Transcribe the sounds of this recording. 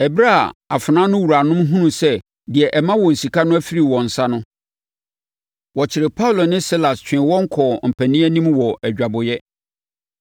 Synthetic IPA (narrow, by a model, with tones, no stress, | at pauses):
ɛ˨bɾa˦˨a˨fʊ˨nã˦nʊ̃˦wu˨ɾa˨nʊ̃˦mɦũ˦nũ˨sɛ˦˨ | dɪ˨ɛ˨ʔɛ˨mã˦wɔ˨n̩˨si˨kʰa˦nʊ̃˦æ˦fi˦ɾi˨wɔ̃˨n̩˨sa˦nʊ̃˦ | wɔ˨t͡ɕʰɪ˨ɾɪ˨pʰa˦ʊ˨lo˨nɪ̃˦si˦la˨st͡ɕᶣɪ̃˨˦wɔ̃˦ŋ̩˦kʰɔ˨m̩˨pʰæ˨nĩ˦æ˦nĩ˦mwɔ˨æ˨d͡ʑᶣa˨bʊ˨jɛ˦